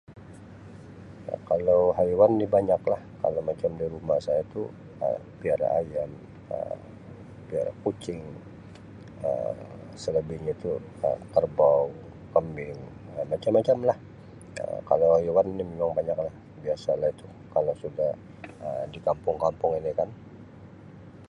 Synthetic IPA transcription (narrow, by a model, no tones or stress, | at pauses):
ja̰kalowɦajuwanːibaɲaklahka̰lowmat͡ʃamdiɾumahsajait̪u | ə̰ | piaɾa̰ʔa̰jam | ə̰ | pia̰ɾa̰kut͡ʃɪŋ | ə̰ | sələbɪhɲait̪u | ə̰kərbaw | kəmbɪŋ | əmat͡ʃamːat͡ʃamlah | ə̰ka̰lowhajuwanːimemaŋbaɲaklah | biasalahit̪u | kalawsudah | əmdikampʊŋkampʊŋinikan